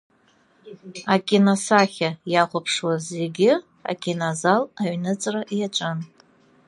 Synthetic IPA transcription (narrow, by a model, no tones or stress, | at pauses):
akʲʼinosaχʲajaχʷapʰʂwaze̞ɡʲɪ | a̰kʲʼinazalaɥnɨt͡sʼraʔiat͡ʃʷʼɨn